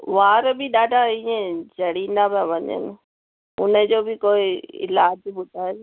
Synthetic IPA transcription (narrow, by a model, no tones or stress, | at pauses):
ʋaːɾbɪɗaːɖʱaĩẽd͡ʑʱɐɽĩːnd̪abãʋɐɲə̰nɪ | ʊ̰nəd͡ʑoːbɪkoːɪɪ̰laːd͡ʑbʊd̪ʱaː